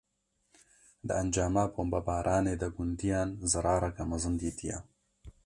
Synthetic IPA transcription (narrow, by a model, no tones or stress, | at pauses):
d̪ɨʔɐnd͡ʒaːmaboːmbɐbaːɾʔaːneːd̪ɐɡʊnd̪ijaːnzɨɾaːɾɐkɐmɐzɨnd̪iːt̪ʰijɐ̰